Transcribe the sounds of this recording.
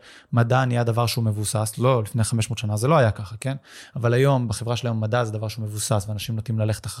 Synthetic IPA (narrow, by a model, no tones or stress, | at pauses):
madanijad̪avaʁʃeume̞vusaslo̞lifneχame̞ʃmo̞ːt̪ʃanazelo̞ajakaχake̞navalajo̞mbeχevʁaʃelajo̞mːadazed̪avaʁʃeumevusasveanaʃimnot̪nimlale̞χet̪a